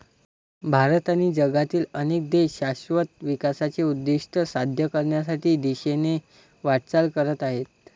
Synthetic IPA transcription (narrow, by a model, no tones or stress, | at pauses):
bʱaɾət̪añid͡ʑəɡat̪iːlənek̚d̪eɕaɕʋət̪ʋikasat͡ɕeud̪ːiʂʈʰəsad̪ʱjəkəɾɳjas̬aʈʰiːd̪iɕene | ʋaʈt͡salkəɾət̪aɦet̪̚